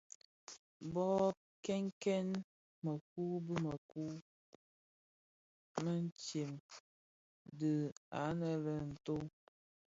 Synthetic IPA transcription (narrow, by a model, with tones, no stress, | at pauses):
bɔ˦ | kɛ˦ŋkɛ˦n | mə˨k̚u˦bə˦mə˨ku˦ | mə˦n˦t͡ʃje˨m | də˨a˨˦nə˨lə˨n̩˨to˦